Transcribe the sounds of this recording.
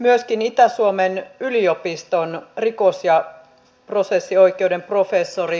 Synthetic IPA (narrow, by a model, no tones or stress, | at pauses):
myøskinit̪æsuomenyliopist̪onrikosjɑ | pro̞sesːioikˑeude̞mpro̞fesːori